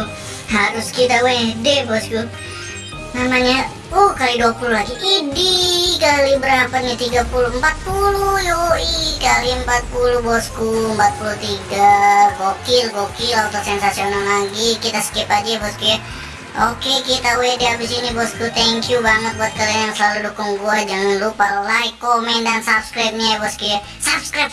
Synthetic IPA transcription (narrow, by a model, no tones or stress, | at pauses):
haɾʊskit̪awedebɔsku | namaɲa | okaliduapululaɡiʔidikalibəɾapat̪̚ɲat̪iɡapuluəmpat̪̚pulujoikaliəmpat̪̚puluhbɔskumpat̪̚pulut̪iɡaɡokilɡokilawt̪ɔsɛnsasionallaɡikit̪askipad͡ʒebɔskuɛ | okekit̪awediabisinibɔskut̪ʰɛŋkjubaŋət̪̚bat̪̚kalijaŋsəlaludukuŋɡuad͡ʒaŋanlupallaɪkːomɛntdansabskɾajp̚ɲabɔskie | sapskɾajp̚